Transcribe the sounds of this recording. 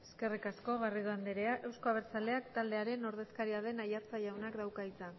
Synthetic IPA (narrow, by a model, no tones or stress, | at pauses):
eske̞rikasko̞ɣ̞ariðoand̪eɾeaʔe̞wsko̞aβeɾt͡sale̞akt̪ald̪e̞aɾe̞no̞ɾð̞e̞skaɾiað̞e̞najaɾt͡saʝawnakd̪awkait͡san